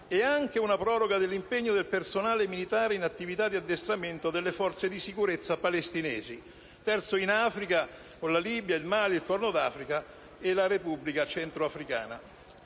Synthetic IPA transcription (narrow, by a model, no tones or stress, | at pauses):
ɛaŋk̟eunapɾɔːɾoɡad̪elːimpeɲːod̪elpersonaːlemilit̪aːɾeinat̪ːivit̪ad̪ːiad̪ːest̪ɾament̪od̪elːefɔrt̪sed̪isikuɾet̪sːapalest̪inɛːzi | t̪ɛrt̪soinafɾika | konlaliːbjailmaːliilkɔrnod̪aːfɾika | ɪlaɾepubːlikat͡ʃɛnt̪ɾoafɾika̰ːna